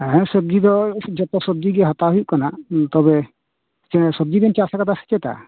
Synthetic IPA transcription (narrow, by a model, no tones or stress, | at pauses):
ɛɦɛ̃səb̚d̪id̪ɔd͡ʒɔt̪ɔsəb̚d̪iɡɛɦat̪aɦujuʔkanat̪ɔbɛ | t͡ʃɛsɔb̚d̪ibɛnt͡ʃasakad̪asɛ̥t͡ʃɛt̪a̰